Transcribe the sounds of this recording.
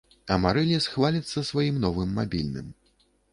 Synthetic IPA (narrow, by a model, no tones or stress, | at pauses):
ɐmaɾɛlʲisxvalʲit̪sːɐsvajimnɔvɨmːabʲilʲnɨ̰m